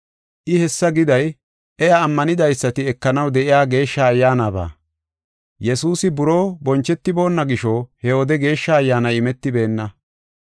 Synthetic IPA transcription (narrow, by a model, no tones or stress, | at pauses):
ʔɪhɛsːɐɡɪd̪ɐj | ʔɛjaːmːɐnɪd̪ɐjsːɐt̪ɪɛkːɐnɐwd̪ɛʔɪjaːɡe̞ːʃːajːaːnaːba̰ː | jɛsuːsɪbʊɾo̞ːbɔnt͡ʃːɛt̪ːɪbo̞ːnːɐɡɪʃoːhɛɔd̪ɛɡe̞ːʃːɐːjːaːnɐjɪmɛt̪ːɪbe̞ːnːɐ